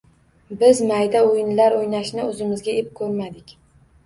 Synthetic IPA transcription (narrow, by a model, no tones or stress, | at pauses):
bɪzmajd̪aojnlaɾojnaʃnɪɵzɪmɪzɡʲaep̚kʰɵɾmad̪ɪkʲ